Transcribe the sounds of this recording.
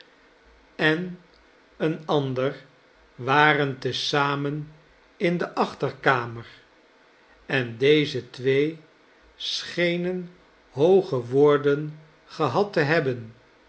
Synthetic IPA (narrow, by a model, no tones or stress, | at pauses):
ɛn | ənɑndəɹ | ʋaːrəntəsaːmən | ɪndəʔɑχtəɹkaːməɹ | ɛndejzətʋej | sχejnən | ɦowχəʋʊːɹdən | χəɦɑtəɦɛbən